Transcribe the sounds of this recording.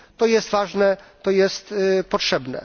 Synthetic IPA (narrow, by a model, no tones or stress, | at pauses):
t̪ɔjɛst̪vaʐnɛt̪ɔjɛst̪pɔtʂɛbnɛ̰